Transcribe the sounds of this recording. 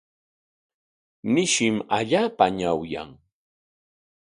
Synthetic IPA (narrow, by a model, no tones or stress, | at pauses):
nɪʃɪmaʎaːpaɲawja̰ŋ